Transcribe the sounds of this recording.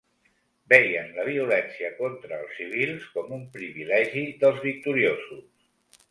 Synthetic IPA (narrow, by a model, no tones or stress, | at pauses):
bɛjənləβ̞iulɛnsiəkɔnt̪ɾəːlˠsːiβ̞ilˠskɔmumpɾiβilɛʒiðəlˠzβik̚t̪uɾiozus